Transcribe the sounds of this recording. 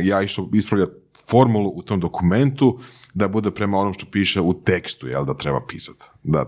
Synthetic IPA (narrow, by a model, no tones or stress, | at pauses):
jaːiʃt̪oispɾaʋʎa | fo̞ɾmulˠuʔut̪omd̪o̞kume̞nt̪ud̪abud̪epɾe̞mao̞nomʃt̪o̞piːʃeut̪e̞kst̪ujelˠd̪at̪ɾe̞ba̰piːsḁt̪ | d̪a̰